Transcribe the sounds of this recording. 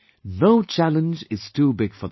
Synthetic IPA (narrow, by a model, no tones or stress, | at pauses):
noʊt͡ʃʰælə̃nd͡ʒɪz̥tʰubɪɡ̥fə